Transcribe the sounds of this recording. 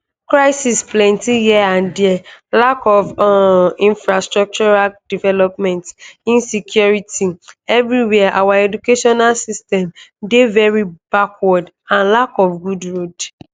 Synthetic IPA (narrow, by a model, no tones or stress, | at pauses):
kɹaɪsisplɛ̃ntijiãndiɛlakɔv | ĩnfɹastɹɔk̚t͡ʃɔɹald̥ivɛlɔpmɛ̃ntĩnsikʰjuɹitiɛvɹiwɛaʔawaɛdukeʃɔnalsistɛ̃mdevɛɹibakwɔd | ãnlakɔfɡudɹod